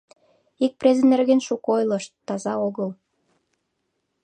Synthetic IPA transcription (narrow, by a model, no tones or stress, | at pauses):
ik̚prezənerɣenʃukojlɤ̆ʃt̪ːɑzɑoɣəl